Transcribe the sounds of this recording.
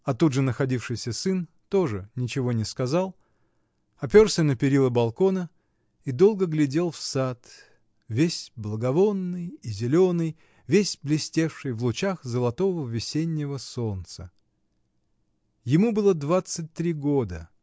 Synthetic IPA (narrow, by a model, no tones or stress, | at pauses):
ɐt̪udʐɨnəxɐdʲifʂɨjsʲəsɨn | t̪o̞ʐɨnʲɪt͡ɕɪvo̞nʲɪskɐzalˠ | ɐpʲorsʲənəpʲɪɾʲilˠəbɐlˠko̞nə | id̪o̞lˠɡəɡlʲɪdʲelˠfsat̪ | vʲesʲblˠəɡɐvo̞nːɨjizʲɪlʲo̞nɨj | vʲesʲblʲɪsʲtʲe̞fʂɨjvlˠʊt͡ɕaxzəlˠɐt̪o̞vəvʲɪsʲenʲːɪvəso̞nt̪sə | jɪmubɨlˠəd̪vat̪sɨt̚ʲt̪ɾʲiɡo̞d̪ə